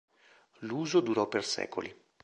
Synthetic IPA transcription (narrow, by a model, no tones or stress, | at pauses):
luːzod̪uɾɔpːersɛ̰ːko̰li